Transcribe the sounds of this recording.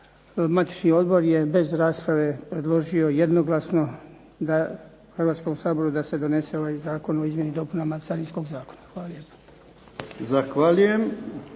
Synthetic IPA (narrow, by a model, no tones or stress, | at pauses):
mat̪i̥t͡ʃnio̞d̪bo̞ɾje̞be̞zɾaːspɾaʋe̞pɾe̞d̪lˠo̞ʒio̞jed̪no̞ɡlˠasno̞ | d̪a | xrʋaːt̪sko̞msaːbo̞ɾud̪ase̞d̪o̞ne̞se̞o̞ʋaːjzaːko̞no̞izmje̞nid̪o̞punamasaɾijsko̞ɡzaːko̞̥naxʋaːlaljepḁ | zaxʋalujem